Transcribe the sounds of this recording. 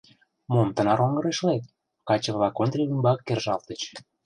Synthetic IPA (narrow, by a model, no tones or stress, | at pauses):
momt̪ə̆nɑɾoŋɡə̆ɾeʃlet̪̚ | kɑt͡ɕə̆βlɑkont̪ɾilymbɑkːerʒɑlˠt̪ə̆t͡ɕ